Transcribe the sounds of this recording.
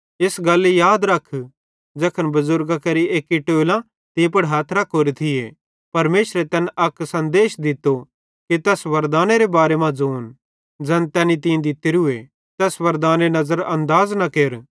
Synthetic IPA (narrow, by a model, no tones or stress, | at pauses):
ɪsɡɐlːijaːd̪ɾɐkʰː | d͡ʒɐːkʰənbɐzʊɾɡakɐɾieːkiʈoːlã | t̪ĩpɐɽɦaːt̪ʰɾɐkʰːoːɾet̪ʰɪje | pɐɾmeːʃɾet̪ɛːnʔɐksɐ̃nd̪eːʃd̪ɪt̪ːo | kit̪ɛːsʋɐɾd̪aːneɾebaːɾemãd͡zoːn | d͡ʒɛːnt̪ɛːnit̪ĩd̪ɪt̪ːeɾɦʊe | t̪ɛːsʋɐɾd̪aːnenɐzəɾɐ̃nd̪aːznɐkeːɾ